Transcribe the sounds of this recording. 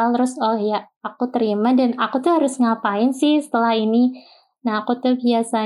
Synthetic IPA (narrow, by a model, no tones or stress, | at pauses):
alɾʊsɔhjaː | kut̪əɾimadanakut̪uɦaɾʊsŋapaɪnsɪhsə̥t̪əlahini | nahːkut̪ʊhbiasa